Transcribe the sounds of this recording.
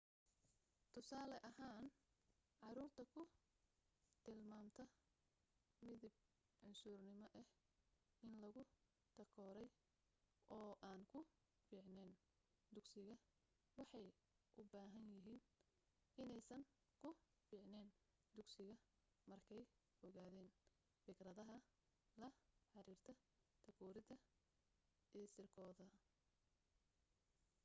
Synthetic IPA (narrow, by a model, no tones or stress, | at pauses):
t̪ʰʊsaːlɛʔɐɦaːn | ʕɑɾuːrt̪ʰɐkʰʊ | t̪ʰɪlmaːmt̪ʰɐ | mɪðɪb̚ | ʕʊnsuːrnɪmɔʔɛh | ɪnlɐɣʊ | t̪ʰɐkʰɔːɾɛj | ʔɔːʔaːnkʰʊ | fiːʕnɛːn | d̪ʊɡsɪɣɐ | wɑħɑj | ʔʊbaːɦɐnjɪɦiːn | ɪnɛjsɐŋ | kʰʊ | fiːʕnɛːn | d̪ʊɡsɪɣɐ | mɐrkʰɛj | ɔɣaːðɛːn | fɪɡrɐðɐɦɐ | lɐħɑɾiːrt̪ʰɐ | t̪ʰɐkʰɔːɾɪðɐ | iːsɪrkʰɔːðɐ